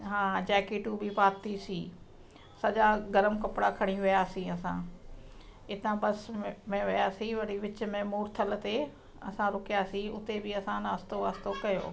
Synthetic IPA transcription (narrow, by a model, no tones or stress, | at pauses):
ɦãːd͡ʑɛːkeːʈubɪpaːt̪isĩː | sɐʄaɡɐɾəmkɐpɽakʰɐɽ̃iʋɪjaːsĩɐsã̰ | ɪt̪ãbɐsmẽʋɪjaːsĩʋɐɽiʋɪt͡ɕmẽmoːɾt̪ʰəlt̪e | ɐsãɾʊkijaːsĩʊt̪ebɪɐsãnaːst̪oʋaːst̪okɐjo̰ː